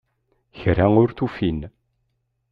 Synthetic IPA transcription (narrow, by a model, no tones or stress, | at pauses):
çɾæŋʊɾθufin